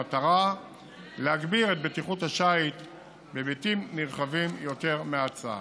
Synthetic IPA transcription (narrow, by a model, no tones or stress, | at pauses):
ataʁa | leaɡbiʁet̪̚bet̪iχuthaʃait̪ | bebitimniʁχavimjo̞te̞ʁmeat͡sa̰